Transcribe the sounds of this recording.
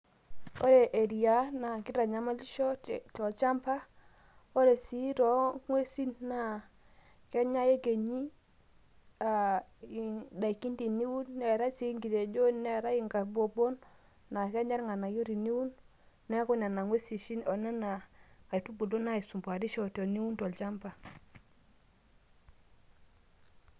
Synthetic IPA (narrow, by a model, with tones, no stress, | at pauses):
o˦ɾe˨ʔe˨ɾi˨ja˦na˨ki˦ɾa˨ɲa˨ma˦li˦ʃɔ˦tɔ˨t͡ʃa˦mpa˦ | o˦ɾe˨si˦ɾɔ˨˦ŋwe˦si˦nːa˨ | kɛ˦ɲa˦je˦ɡe˨ɲi˦ | a˨i˨da˨ki˦ndi˨ni˦wu˦nːɛ˨ɾa˦si˦ŋɡi˨te˨d͡ʒo˦nɛ˨ɾa˦i˨ŋɡa˨bo˨bo˦nː | a˨ke˦ɲa˦ɾŋa˨na˨jo˦ɾi˨ni˦wu˦nː | ɛ˦ku˦na˨na˨ŋwe˦si˨ʃi˦no˨nɛ˦na˨ka˨tu˦bu˨lo˦na˦i˨su˨mbʷa˨ɾi˦ʃo˦˨to˨ni˦wu˦nto˨lt͡ʃa˦mba˨